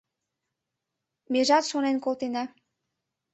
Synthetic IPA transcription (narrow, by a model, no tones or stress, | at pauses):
meʒɑt̪ʃonenkolt̪enɑ